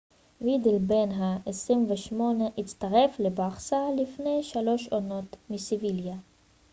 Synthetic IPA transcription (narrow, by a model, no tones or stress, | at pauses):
wid̪ilbenɦaʔesʁimveʃmo̞neʔit͡st̪aʁe̞flebaχsalifne̞jʃalo̞ʃono̞t̪misivilja